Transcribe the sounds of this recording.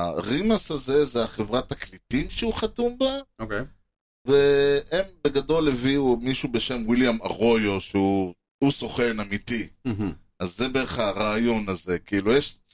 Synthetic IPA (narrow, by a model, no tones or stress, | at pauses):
aʁimasaze̞zeaχevʁat̪aklitimʃeuχat̪umbaokej | veembe̞ɡado̞leviumiʃube̞ʃe̞mwiljamaʁo̞jo̞ʃeu | usoχe̞namit̪i | azːebeʁeχhaʁaːjo̞naze̞kiilujeʃ